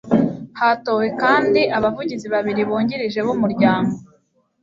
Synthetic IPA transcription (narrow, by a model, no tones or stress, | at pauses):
hato̞ːwe̞kaːndiʔaβavuɟiziβaβiɾiβuːɲɟiɾiʒe̞βumuɾɟaːmɡo